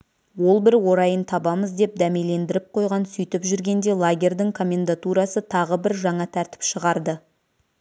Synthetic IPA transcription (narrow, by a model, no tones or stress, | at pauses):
wo̞lˠbɪɾwo̞ɾɑjənt̪ʰɑbɑməzd̪e̞p̚d̪æmele̞nd̪ɪɾɪp̚qʰo̞jʁɑnsʏjt̪ɪpʒʏɾɡʲe̞nd̪e̞lˠaɡʲe̞rd̪ɪŋkʰo̞mʲːe̞nd̪at̪uɾɑsət̪ʰɑʁəbɪɾʒɑɴɑt̪ʰæɾt̪ɪ̥pʃəʁɑɾd̪ə